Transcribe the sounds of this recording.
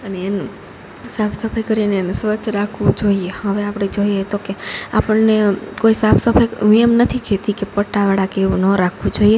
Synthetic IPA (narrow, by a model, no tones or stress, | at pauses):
əneːn | sapʰsəpʰajkəɾinensʋət͡ʃʰɾakʰʋũd͡ʒoiehəʋeapɽed͡ʒoiet̪okeapəɳnekoisapʰsəpʰajũemnət̪ʰikʰet̪ikepəʈaʋaɽakeʋũnəɾakʰʋũd͡ʒoie